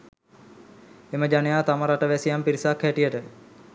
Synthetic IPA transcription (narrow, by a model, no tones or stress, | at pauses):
eməd͡ʒanejaːt̪aməɾaʈəʋæsijampiɾisakʰːæʈijəʈə